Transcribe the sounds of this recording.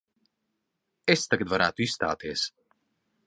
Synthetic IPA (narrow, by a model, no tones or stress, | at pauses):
est̪aɡad̪vaɾaːt̪uisst̪a̰ːt̪iɛs